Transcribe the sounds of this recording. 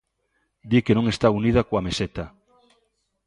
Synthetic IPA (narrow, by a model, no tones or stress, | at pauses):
d̪ikenõŋest̪aunið̞akoameset̪a